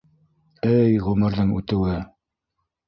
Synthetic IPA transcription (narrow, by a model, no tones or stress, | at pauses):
ɘjʁɵmɘ̆ɾðɤŋʉ̰t̪ɘ̆wɘ